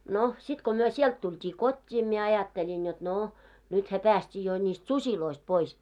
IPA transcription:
no sit ko myø siɛlt tultʲiː kotʲːiː mie ɑjɑtːelʲin jot noˑ nythæ pæːstʲiː jo nʲist susiloist pois

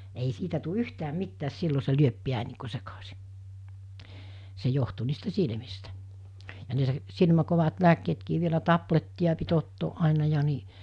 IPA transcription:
ei siːtæ tu yhtæːm̆ mitːæːs silːo se lyøp piæn̆ niː ku sekɑsi se johtu niːstæ silmistæ jɑ ne s silmæ koʋɑt læːkːeːtkiː ʋielæ tɑpletːiɑ pit otːoːʔ ʔɑˑenɑ jɑ ni

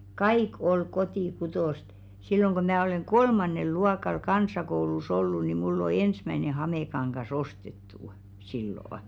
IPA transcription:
kɑik ol kotiˑkutoˑst silːoŋ ɡ̊o mæː oleŋ ɡ̊olmɑnˑel luɑkɑl kɑnsˑɑkoulus olːu ni mulː o ensmæĭne hɑmekɑŋɡ̊ɑs ostetːuˑ silːoˑŏ

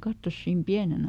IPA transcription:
kɑtːos siːm piænen

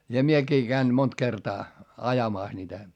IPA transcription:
jɑ miekiː kæin mont kertɑː ɑjɑmɑˑs niːtæ

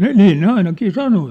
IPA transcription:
ne niː ne ɑinɑkiː sɑno

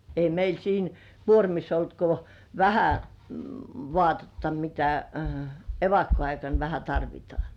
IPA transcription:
ei meil siːn kuormisː olt ko ʋæhæ ʋŏɑˑtetːɑ mitæ eʋɑkːoɑikɑn ʋæhæ tɑrʋitŏɑˑ

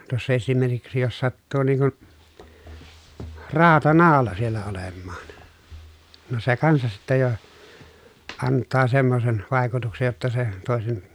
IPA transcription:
tuosːɑ esimerkiksi jos sɑtːuː niːŋ kun rɑːtɑnɑːlɑ sielːæ olemːɑːn no se kɑnsɑs sitːæ jo ɑntːɑː semːosen ʋɑˑi̯kutuksej jotːɑ se toˑesen

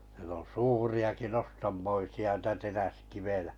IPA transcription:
siel on suːriɑki nostɑmːoisiɑ n̩tæ teræskiʋejæ̥

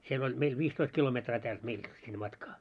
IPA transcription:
siel olʲ meil ʋiːstoist kilometrɑː tæːlt meilt sinːe mɑtkɑː

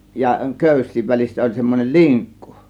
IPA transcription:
jɑ køˑysˑiːʋ ʋælʲisːæ olʲ semːonel liŋkːu̥

